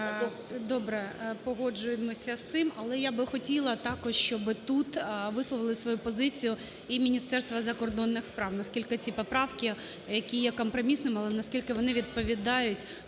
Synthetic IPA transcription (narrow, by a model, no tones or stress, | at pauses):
d̪ɔbɾɛpɔɦɔd͡ʒʊjemɔsʲɐst̪sɪmɐlˠɛjabɪxɔtʲilˠɐt̪ɑkɔʃʃt͡ʃɔbɪt̪ut̪ʋɪslˠɔʋɪlˠɪsʋɔjupɔzɪt͡sʲijʊ | imʲinʲist̪ɛrst̪ʋɐzɐkɔrd̪ɔnːɪxspɾɑwnɐskʲilʲkɪt͡sʲipɔpɾɑwkʲɪ | jɐkʲijɛkɔmpɾɔmʲisnɪmɐlˠɛnɐskʲilʲkɪʋɔnɪʋʲid̪̚pɔʋʲid̪ɑjʊtʲ